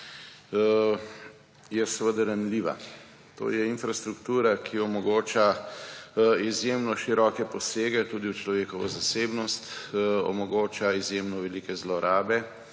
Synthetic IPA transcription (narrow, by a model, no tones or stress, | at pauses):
jɛsɛʋəd̪əɾamliːʋa̰ | t̪o̰ːjɛinfɾast̪ɾukt̪uːɾakʰiɔmɔɡoːt͡ʃa | izjeːmnɔʃiɾɔːkɛpɔseːɡɛt̪uːd̪iwt͡ʃlɔʋeːkɔʋɔ̰zaseːbnɔst̪ɔ̰mɔɡoːt͡ʃaizjeːmnɔʋɛlikɛzlɔɾaːbɛ